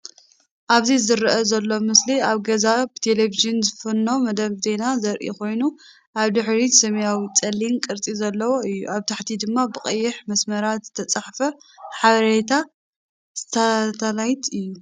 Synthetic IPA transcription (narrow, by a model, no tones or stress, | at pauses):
ʔaβzizɨɾʔɐzɐlːo̞mɨsliaβɡɐzabɨt̪ʰeleviʒɨnzɨfɨnːo̞mɐd̪ɐβze̞nazɐɾʔḭkʰo̞jnu | ʔaβd̪ɨħɾisɐmɐjawit͡sʼɐlːinkʼɨɾt̪ʼizɐlːɐwoɨjːṵʔaβt̪ʰaħt̪ʰid̪ɨmːabɨkʼɨjːɪħmɐsmɐɾat̪z̥ɨt̪ʰɐt͡sʼaħfɐħaβɐɾet̪ʰa | z̥ɨt̪ʰɐt̪ʰɐlajt̪ɨjːu